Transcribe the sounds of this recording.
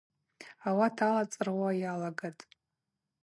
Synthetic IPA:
awatʰalat͡sʼɨrwajalaɡatʼ

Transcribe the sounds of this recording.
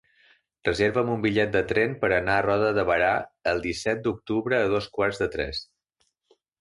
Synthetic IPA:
rəzeɾβəːmumbiʎɛt̪̚d̪ət̪ɾɛnpəɾənaərɔðəðəβəɾaəlˠd̪isɛt̪̚d̪uk̚t̪uβɾəːð̞oskwarzðət̪ɾɛ̰s

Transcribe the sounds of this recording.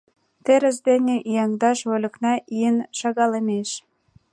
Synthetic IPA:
t̪eɾəs̬d̪enʲeʔijɑŋd̪ɑʃβolʲə̆knɑʔiənʃɑɣɑləmeʃ

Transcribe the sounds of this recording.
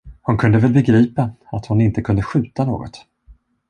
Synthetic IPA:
hʊnkʰɵnd̪əvɛlbɛɡɾiːpaat̪hʊnɪnt̪əkʰɵnd̪əɧʉ̟ːt̪ano̰ːɡɔ̰t̪

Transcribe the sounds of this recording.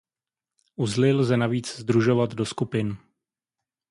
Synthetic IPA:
ʔuzlɪlzɛnaviːt͡szd̪ɾuʒo̞vat̪do̞skupɪn

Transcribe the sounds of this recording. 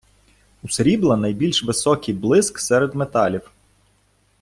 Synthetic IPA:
ʊsɾʲiblˠɐnɐjbʲilʲʃʋɪsɔkʲijblˠɪsksɛɾed̪met̪ɑlʲiw

